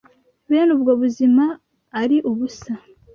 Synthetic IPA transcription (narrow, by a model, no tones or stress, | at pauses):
βeːnubɡoβuzimaː | ɾiʔuβusa